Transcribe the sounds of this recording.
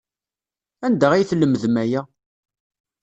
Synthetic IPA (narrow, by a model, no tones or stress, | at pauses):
ænd̪æʁijθlːəmːəðmæjæ